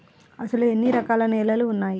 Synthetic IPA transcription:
ɐsɐluenːiɾɐkaːlɐnɛːlɐluːnːaːji

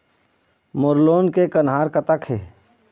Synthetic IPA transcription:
mʊɾloːnkekənɦaːɾkət̪əkɦeː

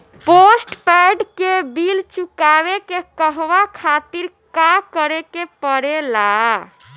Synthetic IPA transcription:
posʈpɛjɖkebilt͡ʃukaβekekəɦʋakʰat̪iɾ | kakəɾekepəɽela

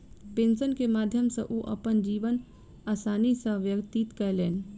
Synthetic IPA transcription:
pẽːnsənkemaːd̪ʱjəmsḛ̃ʔoʔɐpənd͡ʒiːʋən | aːsaːnisəɦʋjəkt̪it̪kɐleːn

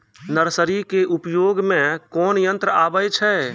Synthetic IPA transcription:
nəɾsəɾikeʔupjoːɡmẽkɔːnjənt̪ɾəaːbəjt͡ʃʰɛ

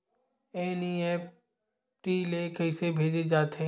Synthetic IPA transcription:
eːniɛp̚ | ʈiːleːkəɪsebʱeːd͡ʒed͡ʒaːt̪e

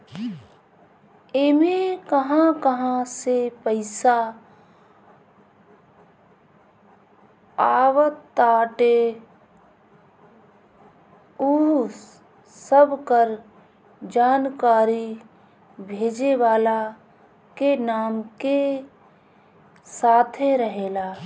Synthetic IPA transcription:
eːmekəɦãkəɦãsepəɪsa | aːʋət̪taːʈe | u | səbkəɾ | d͡ʒaːnkaːɾi | bʱeːd͡ʒeʋaːla | kenaːmke | saːt̪ʰeɾəɦeːlaː

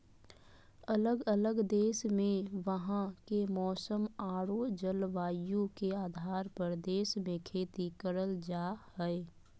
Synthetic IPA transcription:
ələɡələɡd̪eːʃmẽʋəɦãkemɔːsəmaːɽod͡ʒəlʋaːjjũkeaːd̪ʱaːɾpəɾd̪eːʃmẽkʰeːt̪ikəɾəld͡ʒaːhɛe

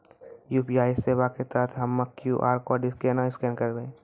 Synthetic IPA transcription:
juːpiːaːɪjseːbaket̪at̪ʰɦɐmːɐkjuːʔa̰ːɾkoɖɪskeːnaɪskɛ̃ːnkɐɾɡəẽː

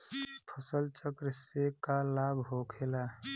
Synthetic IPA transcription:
pʰəsəlt͡ʃəkɾɪsekalaːbʱɦoːkʰeːla

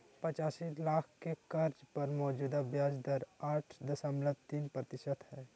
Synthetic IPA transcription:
pɐt͡ʃaːsilaːkʰkekɐɾd͡ʒpɐɾmɔːd͡ʒuːd̪abjaːd͡ʒd̪əɾaːʈʰd̪ɐsəmlət̪iːnpɾɐt̪ɪʃət̪ɦɛː

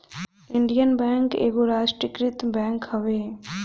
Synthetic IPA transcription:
ɪɳɖijənbɛ̃ːŋkḛːɡoɾaːʃʈɾəkɾɪt̪bɛ̃ːŋkɦəʋeː

